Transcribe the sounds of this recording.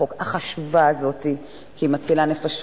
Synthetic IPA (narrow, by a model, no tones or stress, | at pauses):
okaχaʃvaːzo̞ti | kimat͡silane̞faʃ